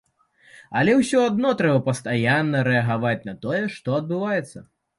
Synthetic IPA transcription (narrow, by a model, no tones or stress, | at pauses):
ɐlʲɛwsʲɔad̪nɔt̪ɾɛbɐpɐst̪ajanːɐɾɛɐɣavat͡sʲnɐt̪ɔjɛʂt̪ɔɐd̪̚bɨvajɛt̪sːɐ